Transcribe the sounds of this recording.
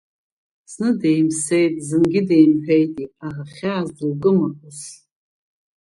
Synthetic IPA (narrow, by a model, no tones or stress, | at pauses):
snɨdejmsejtʼzɨnɡʲɪde̞jmħᶣejtʼiaraχʲaːzɨlɡɨmapɨs